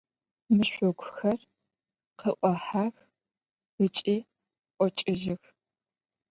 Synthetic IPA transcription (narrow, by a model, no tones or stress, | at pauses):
mɨɕʷɔɡʷʊxɐr | qəʔʷʼɔħaːx | ɨt͡ʃʼiː | ʔʷʼɔt͡ʃʼɪʒɪx